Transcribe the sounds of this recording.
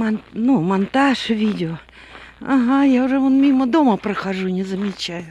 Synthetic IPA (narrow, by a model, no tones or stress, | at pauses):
annumɐnt̪aʂvʲidʲɪo | aɦajaʊʐɛvonmʲiməd̪oməpɾəxaʐunʲɪzəmʲɪt͡ɕæjʊ